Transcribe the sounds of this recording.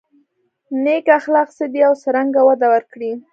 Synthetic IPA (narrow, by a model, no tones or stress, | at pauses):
nekaxlɑχsəd̪iawsəɾaŋɡawad̪awəɾkɽi